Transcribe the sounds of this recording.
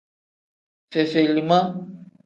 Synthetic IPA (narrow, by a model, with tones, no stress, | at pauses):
se˨se˨lima˦